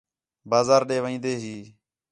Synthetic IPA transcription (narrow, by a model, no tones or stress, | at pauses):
baːzaːɾɗeːʋəĩːnd̪eːɦiː